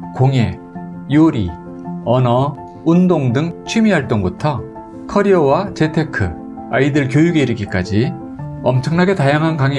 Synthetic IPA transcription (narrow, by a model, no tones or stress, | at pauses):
koŋe | joɾi | ʌnʌ | undoŋdɯŋt͡ɕʰimiɦaɭt͈oŋbutʰʌ | kʰʌɾiʌwat͡ɕe̞tʰe̞kʰɯ | aidɯɭkjojuɡe̞iɾiɡik͈ad͡ʑi | ʌmt͡ɕʰʌŋnaɡe̞tajaŋɦankaŋe